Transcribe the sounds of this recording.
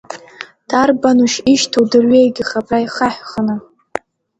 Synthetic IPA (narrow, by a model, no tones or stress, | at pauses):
d̥arbanuʃiʃtʰowdɨrɥejɡʲiχapʰʼrajχaħʷᶣχanɨ